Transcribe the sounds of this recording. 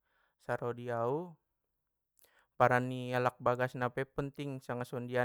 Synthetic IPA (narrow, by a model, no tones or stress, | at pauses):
saɾodiau | paɾanialak̚baɡasnapɛpənt̪iŋsaŋasɔndia